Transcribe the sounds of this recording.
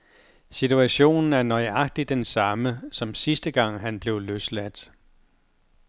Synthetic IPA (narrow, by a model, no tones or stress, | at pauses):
sit͡sʰuæɕo̝̰ːnn̩æɐnɒ̽ɪɑ̈ɡ̥̚d̥i̥ensɑ̈məsɒ̽msisd̥əɡ̥ɑ̈ŋ̰ɦænb̥le̝ʊløslæd̥